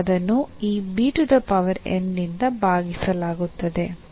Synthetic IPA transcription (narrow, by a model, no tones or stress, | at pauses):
d̪ɐnːuiːbiːʈud̪ɐpɐʋɐɾḛnːind̪ɐbʱaːɡisɐlaːɡut̪ːɐd̪e̞